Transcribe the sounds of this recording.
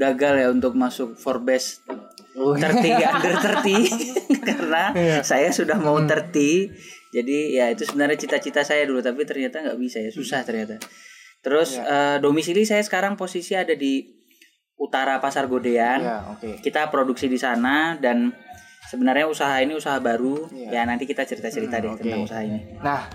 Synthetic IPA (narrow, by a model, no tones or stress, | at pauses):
ɡaɡaljaunt̪ʊk̚masʊk̚fɔrbɛs | ərt̪idiandərt̪ərt̪ikarənasajasudahmaut̪ərt̪id͡ʒadijait̪usəbənarɲat͡ʃit̪at͡ʃit̪asajadulut̪apit̪ərɲat̪aŋɡaʔbisajasusaht̪ərɲat̪at̪əɾʊsəːdomisilisajasə̥kaɾaŋposisiadadi | ut̪aɾapasarɡodeankit̪apɾoduksidisanadansəbənarɲausaɦainiusaɦabaɾujanant̪ikit̪at͡ʃəɾit̪at͡ʃəɾit̪adɛk̪ərnausaɦaininah